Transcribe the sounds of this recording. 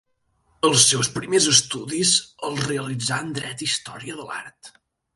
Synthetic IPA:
əlˠsːɛwspɾimezəst̪uðizəlˠreəlid͡zaənd̪ɾɛt̪ist̪ɔ̰ɾiəðəla̰ɾt̪

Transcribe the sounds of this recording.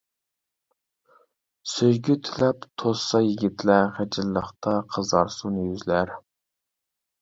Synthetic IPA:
søjɡʲyt̪ʰylɛpt̪ʰosɑjiɡʲit̪ʰlæχæd͡ʒɪlːəχt̪ʰɑqʰəzɑɾsunjyzlæɾ

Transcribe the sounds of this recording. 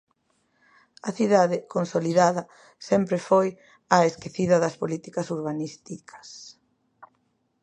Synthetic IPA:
ɐθiðaðɪkonsoliðaðɐ | sɛmpɾefoj | ɐeskeθiðɐðɐspolit̪ikɐsuɾβanist̪ikʰɐ̥s

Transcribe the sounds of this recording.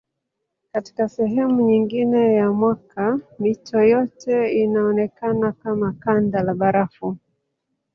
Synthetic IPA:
kati̥kasɛɦɛmuɲiŋɡinɛjamwakamitʰɔjɔtʰɛinaɔnɛkanakamakandalaɓaɾafu

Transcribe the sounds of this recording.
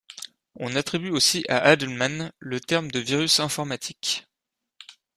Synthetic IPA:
ɔ̃nat̪χibyosiʔaʔad̪ɛlmanlət̪ɛʁmd̪əviʁysɛ̃fɔʁmat̪ʰik

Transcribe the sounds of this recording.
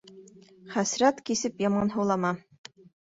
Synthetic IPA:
χæsɾæt̪kisɘpjɑmɑnɦɤ̆wlˠɑmɑ

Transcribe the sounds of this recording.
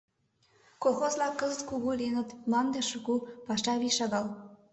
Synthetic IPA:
koxozlɑkːəzət̪kuɣulʲenə̆t̪mɑnd̪eʃukupɑʃɑβiʃɑɣɑl

